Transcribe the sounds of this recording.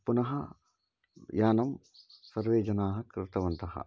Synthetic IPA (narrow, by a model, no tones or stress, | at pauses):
punɐɦɐ | jaːnɐm | sɐɾʋeːd͡ʒɐnaːɦɐkɾɪt̪ɐʋɐnt̪ɐɦɐ̰